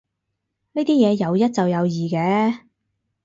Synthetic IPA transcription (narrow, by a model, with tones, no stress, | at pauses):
niː˥t̪iː˥jɛː˨˧jɐ˨˧wjɐ˥t̚t͡sɐ˨wjɐ˨˧wjiː˨˩kɛː˨˧˥